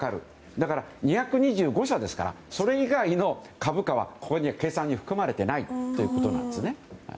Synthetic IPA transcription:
akaɾɯ̟̰ | d̪akaɾaɲ̟içakɯ̟ɲ̟iʑɨːɡo̞ɕod̪e̞sɨ̥ka̰ɾa̰ | so̞ɾe̞iɡaino̞ | kabɯ̟kaβa̰ko̞ko̞ɲ̟iβake̞ːsãɲ̟ːiɸɯ̥kɯ̟maɾe̞t̪e̞nait̪ːo̞jiɯ̟ko̞t̪o̞nã̰nd̪esɨne̞ha̰i

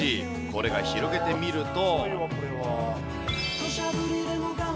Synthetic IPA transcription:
i | ko̞ɾe̞ɡaçiɾo̞ɡe̞t̪e̞mʲiɾɯ̟t̪o̞ | koɾeβa

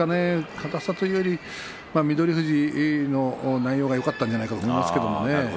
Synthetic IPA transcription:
anekʰat̪asat̪ɨioɾʲi | mamʲid̪o̞ɾʲihɯ̟ʑino̞naijo̞ːɣajo̞kat̪ːãɲ̟d͡ʑanaikat̪omoimaske̞d̪o̞mo̞̰ne

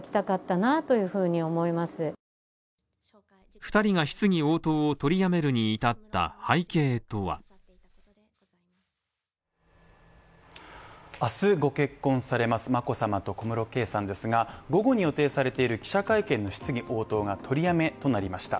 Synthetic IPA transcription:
kʲi̥t̪akat̪ːanat̪o̞jɯ̟ːɸɯ̟ːɲ̟io̞mo̞imasɨ | ɸɯ̟̥t̪aɾʲiɡaçi̥t͡sɨŋ̟io̞ːt̪o̞ːt̪o̞ɾʲijame̞ɾɯ̟ɲ̟iːt̪at̪ːa̰haike̞ːt̪o̞βa̰ | asɨɡo̞ke̞kːõ̞ɰ̃saɾe̞masɨmako̞samat̪o̞ko̞mɯ̟ɾo̞ke̞ːsãnd̪e̞sɨɡaɡo̞ɡo̞ɲ̟ijo̞t̪e̞ːsaɾe̞t̪e̞iɾɯ̟kʲi̥ɕakaikẽ̞nːo̞çi̥t͡sɨɡʲiʔo̞ːt̪o̞ːɡat̪ʰo̞ɾʲijame̞t̪o̞naɾʲimaɕi̥t̪a̰

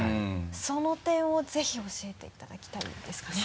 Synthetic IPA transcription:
so̞no̞t̪ẽ̞ɰ̃o̞d͡ze̞çio̞ɕie̞t̪e̞it̪ad̪akʲi̥t̪aḭd̪̥e̞sɨ̥kane

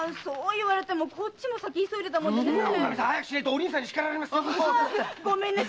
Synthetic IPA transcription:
soːiβaɾe̞t̪emokʰo̞t͡ɕimo̞sakʲiisobid̪e̞t̪amoneamisãhajakɯ̟ɕineɾit̪eːɾʲĩs̬ãɲːiɕi̥kaɾaɾimasɨ | ɡo̞mẽ̞nːa

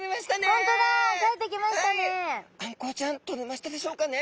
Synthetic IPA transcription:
emaɕi̥t̪aneõnt̪od̪akaet̪ːek̬ʲimaɕi̥t̪aneãŋko̞ːt͡ɕãnt̪omemaɕi̥t̪ad̪e̞ɕo̞ːkane

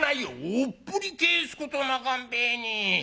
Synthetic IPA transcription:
najoopːuɾikeːskot̪onakambenʲi

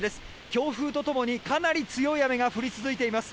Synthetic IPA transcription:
d̪e̞sɨ̥ | kʲo̞ːɸɯ̟ːt̪o̞t̪o̞mo̞ɲ̟ikanaɾʲit͡sɨjo̞iame̞ɡaɸɯ̟ɾʲit͡sɨzɨit̪e̞imasɨ̥

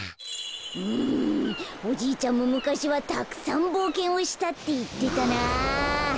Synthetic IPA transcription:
ɯ | o̞d͡ʑiːt͡ɕãmːo̞mɯ̟kaɕiβat̪akɯ̥sãmbo̞ːkẽ̞ɰ̃o̞ɕi̥t̪at̪ːe̞it̪ːe̞t̪ana

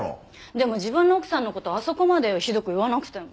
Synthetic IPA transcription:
d̪e̞mo̞ʑibɯ̟̃nːookɯ̟̥sãnːo̞ko̞t̪o̞aso̞ko̞mad̪e̞çid̪o̞kɯ̟iβanakɯ̟̥t̪e̞mo

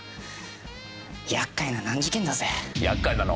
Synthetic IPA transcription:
jakːainanãɲd͡ʑikend̪azejakːajnano

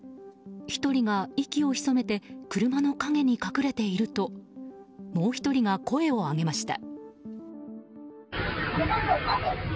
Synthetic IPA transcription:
çi̥t̪o̞ɾʲiɡaikʲio̞çi̥so̞me̞t̪e̞kɯ̟ɾɯ̟mano̞kaŋe̞ɲ̟ikakɯ̟ɾe̞t̪e̞iɾɯ̟t̪o̞ | mo̞ːçi̥t̪o̞ɾʲiŋako̞e̞o̞aɡe̞maɕi̥t̪a̰

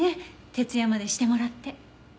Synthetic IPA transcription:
et̪e̞t͡sɨjamad̪e̞ɕi̥t̪e̞mo̞ɾat̪ːe̞

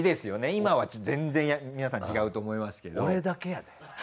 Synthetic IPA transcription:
id̪e̞sɨjo̞ne̞imaβat͡ɕːzẽ̞nzẽ̞ɰ̃jamʲinasãt͡ɕiɡaɯ̟t̪o̞ːmo̞imasɨ̥ke̞d̪oɾed̪ake̞jad̪e̥

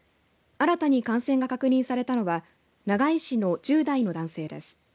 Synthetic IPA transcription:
aɾat̪aɲ̟ikãɰ̃sẽ̞ŋɡakakɯ̟ɲ̟ĩɰ̃saɾe̞t̪ano̞βa | naɡaiɕino̞d͡ʑɨːd̪aino̞d̪ãse̞ːd̪e̞̰sɨ̥

